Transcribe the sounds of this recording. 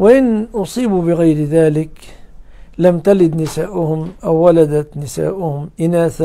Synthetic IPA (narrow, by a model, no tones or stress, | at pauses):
waʔɪnʔʊsˤiːbubɪɣajɾðaːlɪk | lamt̪alɪd̪nɪsaːʔʊhʊmʔawːalad̪at̪nɪsa̰ːʔʊhʊmʔɪnaːθa